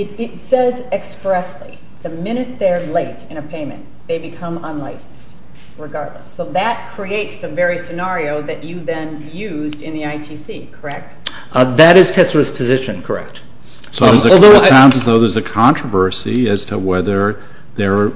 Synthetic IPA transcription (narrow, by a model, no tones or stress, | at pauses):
ɪɾɪtsɛzɨkspɹɛslḭ | ðɨmɪ̃ñɨt̪̚ðə˞leɪɾɨ̃ñɨpʰẽɪ̃mɨ̰̃n | ðeɪbɨkʰʌ̃mə̃nlaɪsn̩st | ɹɨɡɑɹdˡlə̰sːoʊðɨt̚kʰɹ̥ieɪtsðɨvɛɹisɨnɑɹioʊðɨt͡ʃɨðɨ̃n | jʉzdɨ̃nðiaɪtʰisikʰə˞ɛk̚t̚ | ðɨɾɨz̥tʰɛslɨz̥pʰɨzɪʃɨ̃nkʰə˞ɛ̰k̚t | soʊðə˞zɨlˠðoʊssãʊ̃ndzɨzðoʊðə˞zɨkʰɑ̃nt͡ʃɹ̥əvɜ˞siɨz̥tʰəwɛðə˞ | ðə˞